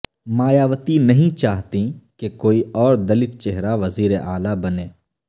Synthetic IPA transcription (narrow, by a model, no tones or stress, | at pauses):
maːjaːʋət̪inɐɦĩt͡ʃaːɦt̪ĩkekoːiɔːɾd̪ɐlɪt̪̚t͡ʃeɦɾaʋɐziːɾeʔaːlabɐnẽː